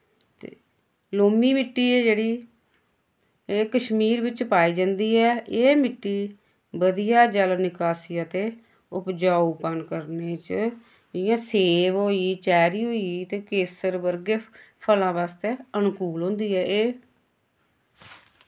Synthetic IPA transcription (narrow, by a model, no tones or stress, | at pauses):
t̪ḛː | loːmiːmɪʈːiːeːd͡ʒeːɽiː | eːkəʃmiːɾʋɪt͡ʃpaːiːd͡ʒãːnd̪iːɛːʔeːmɪʈːiː | bəd̪ijaːd͡ʒəlnɪkaːsiːət̪eː | ʊpd͡ʒaːuːpənkəɾneːt͡ʃ | ɪjãːseːʋɦoːiːt͡ʃɛːɾiːɦoːiːt̪eːkeːsəɾbəɾɡeːpʰəlãːʋaːst̪eːənkuːlɦõːnd̪iːɛːʔeː